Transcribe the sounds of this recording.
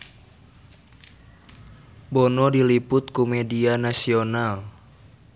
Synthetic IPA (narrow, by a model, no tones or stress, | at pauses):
bɔnɔdilipʊt̪̚kumɛdianasional